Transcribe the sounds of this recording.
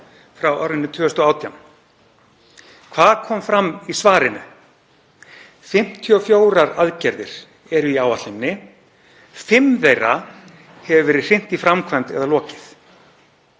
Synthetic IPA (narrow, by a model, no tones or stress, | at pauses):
fɾawɔɾðɪnːɪt̪ʰʏːʏst̪ɔaːwt̪ʰjawm | kʰv̥aːðkʰɔːmfɾamːisvaːɾɪnʏ̰ | fɪm̥t̪ʰiɔfjoːwɾaɾaðcɛɾðɪ̰ɾ̥ | ɛɾʏiaːwat̪lɪmnɪ | fɪmðejra | hɛvʏvɛɾɪ̥r̥ɪn̥t̪ifɾamkʰvajnt̪ɛ̰ðalɔːcɪ̥θ